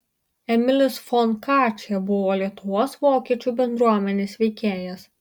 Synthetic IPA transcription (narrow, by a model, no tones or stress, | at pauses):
ɛmʲɪlʲɪsfɔnkɑːt͡ʃʲɛbʊʋoːlʲiɛt̪ʊʋoːsʋoːkʲiɛt͡ʃʲubʲɛnd̪ɾuɔmʲɛnʲeːsʋʲɛɪkʲeːjɛs